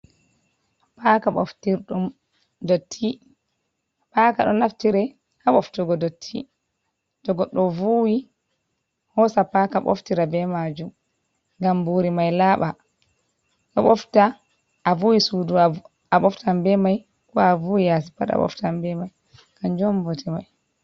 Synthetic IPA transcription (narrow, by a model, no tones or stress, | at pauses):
pakaɓɔ̰ftiɾɗum | dotʰːi | paːkaɗɔnaftiɾɛ | haɓɔftuɡɔdotʰːḭ | d̥ɔɡɔɗɔvuwi | hɔsapakaɓo̰ftiɾabɛmad͡ʒum | ŋɡambuɾimajlaːɓa | ɗɔ̰ɓɔftaː | vuwisudu | aɓɔftambɛmaj | kɔavuwijas̬i̥paɗa̰ɓɔ̰ftambɛmaj | kand͡ʒɔmvotimaj